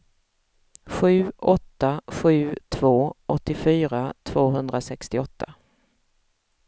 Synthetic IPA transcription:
ɧʉ̟ːʔɔt̪ːaɧʉ̟ːt̪ʰv̥oːʔɔt̪ːɪfyːɾat̪ʰv̥oːɦɵnd̪ɾasɛkst̪ɪɔt̪ʰːa

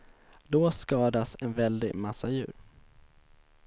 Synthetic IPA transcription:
d̪oskɑːd̪asɛnvɛld̪ɪmasːajʉ̟ːɾ

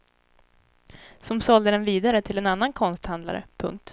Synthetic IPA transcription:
sɔmsɔld̪əd̪ɛnviːd̪aɾət̪ʰɪlɛnanːankʰɔnst̪hand̪la̰ɾə̰pʰɵ̰ŋk̚t̪

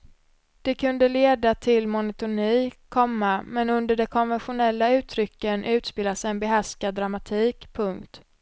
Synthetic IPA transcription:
d̪̥ɛkʰɵnd̪əleːd̪at̪ʰɪlmʊnət̪ʊniːkʰɔmːamɛnɵnd̪əɖɛkʰɔnvɛnɧʊnɛlːaʉ̟ːt̪ʰɾʏkːənʔʉ̟ːt̪speːlasɛnbɛɦæʂkad̪ːɾamat̪ʰiːkpʰɵŋkt̪

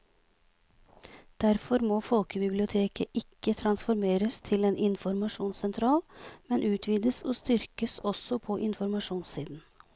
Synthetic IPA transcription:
d̪̥æɾfɔɾmoːfɔlkəbɪblɪʊt̪ʰeːkəʔɪkːət̪ʰɾɑnsfɔɾmeːɾəst̪ʰɪleːnʔɪnfɔɾmɑʂuːnsɛnt̪ʰɾɑːlmɛnʔʉːt̪ʰʋiːd̪əsɔːst̪ʏɾkəsɔsɔpʰɔʔɪnfɔɾmɑʂuːnsiːd̪n̩

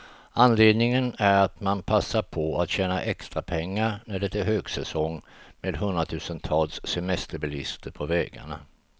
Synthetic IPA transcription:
anleːd̪nɪŋənæɾat̪manpʰasːaɾpʰɔat̪ɕɛːnaʔɛkst̪ɾapʰɛŋːaɾnæɖɛt̪æɦøːɡsɛsɔŋmeːd̪ɦɵnd̪ɾat̪ʰʉ̟ːsənt̪ʰɑːlsːɛmɛst̪əɾbɪlɪst̪əɾpʰɔvɛːɡa̰ɳa̰

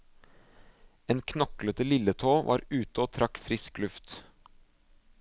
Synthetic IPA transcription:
eːnkʰnɔklət̪əlɪlət̪ʰoːʋʔɑ̰ːɾʉːt̪əoːt̪ʰɾɑkfɾɪsklʉft̪

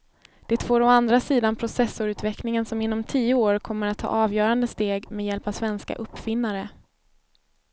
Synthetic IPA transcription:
d̪̥ɛːt̪foːɾɔand̪ɾasiːd̪anpʰɾʊsɛsːʊɾʉ̟ːt̪vɛklɪŋənsɔmɪnːɔmt̪ʰiːʊoːɾkʰɔmːəɾat̪ʰːɑ̰ːɑːvjœːɾand̪əst̪eːɡmɛd̪jɛlpavsvɛnska̰ʔɵpːfɪnːaɾə

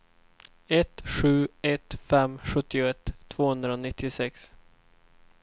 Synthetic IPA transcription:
ɛt̪ɧʉ̟ːɛt̪fɛmːɧɵt̪ːɪʊɛt̪ʰːv̥oːhɵnd̪ɾaonɪt̪ʰːɪsɛks

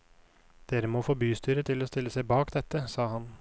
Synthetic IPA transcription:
d̪̥eːɾəmoːfoːbyːst̪yːɾət̪ʰɪloːst̪ɪlːəsæɪbɑːkd̪ɛt̪əsɑːhɑn

